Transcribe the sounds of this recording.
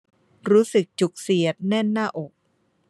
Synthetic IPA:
ɾuː˦˥sɯ˨˩k̚t͡ɕu˨˩k̚si˨˩˦ət̪̚nɛ˥˩nːaː˥˩ʔo˨˩k̚

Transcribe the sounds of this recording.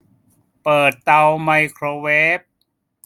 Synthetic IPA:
pɤː˨˩t̪ːa˧wma˧jkʰɾoː˧weː˦˥p̚

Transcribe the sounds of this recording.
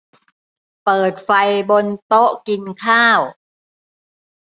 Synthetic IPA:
pɤː˨˩t̪̚fa˧jbo˧nt̪o˦˥ʔki˧nkʰaː˥˩w

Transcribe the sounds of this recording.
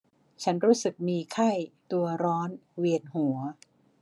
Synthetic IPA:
t͡ɕʰa˦˥nɾuː˦˥sɯ˨˩k̚miː˧kʰa˥˩jt̪u˧ɐɾɔː˦˥nwi˧ənhu˩˦ɐ

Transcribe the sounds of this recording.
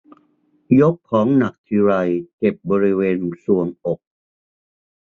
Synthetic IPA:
jo˦˥k̚ʰːɔː˩˦ŋna˨˩k̚t̪ʰi˧ɾa˧jt͡ɕe˨˩p̚bɔː˧ɾi˦˥weː˧nsu˨˩əŋʔo˨˩k̚

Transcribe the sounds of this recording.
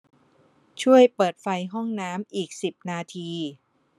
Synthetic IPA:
t͡ɕʰu˥˩əjpɤː˨˩t̪̚fa˧jɦɔ˥˩ŋnaː˦˥mʔiː˨˩k̚si˨˩p̚naː˧t̪ʰiː˧

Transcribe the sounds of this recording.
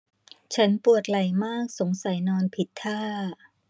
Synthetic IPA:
t͡ɕʰa˦˥npu˨˩ət̪̚la˨˩jmaː˥˩k̚so˩˦ŋsa˩˦jnɔː˧npʰi˨˩t̪ʰːaː˥˩

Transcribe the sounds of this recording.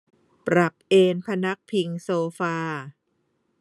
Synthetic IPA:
pɾa˨˩p̚ʔeː˧npʰa˧na˦˥k̚pʰi˧ŋsoː˧faː˧

